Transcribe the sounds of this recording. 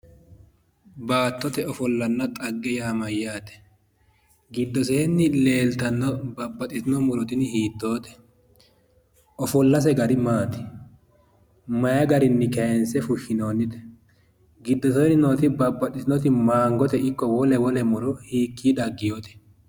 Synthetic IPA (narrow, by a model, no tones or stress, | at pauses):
baːt̪ːɔt̪ɛɔfɔlːɐnːɐt̪ʼɐɡːɛjaːmɐjːaːt̪ɛ̥ | ɡɪd̪ːɔseːnːɪle̞ːlt̪ɐnːɔbɐbːɐt̪ʼːɪsɪnɔmʊɾɔt̪ɪnhiːd̪ːo̞ːt̪ɛ̥ | ɔfɔlːɐs̬ɛɡɐɾɪmaːt̪ɪ̥ | mɐjɐɡɐɾɪnːɪkɛjɛnsɛfʊʃːɪnoːnːɪd̪ɛ̥ | ɡɪd̪ːɔs̬eːnɪnoːt̪ɪbɐbːɐtʼːɪsɪnɔt̪ɪmaːŋɡɔt̪ɛɪkːɔwɔlɛwɔlɛmʊɾɔhiːkːiːd̪ɐɡːɪjoːt̪ɛ̥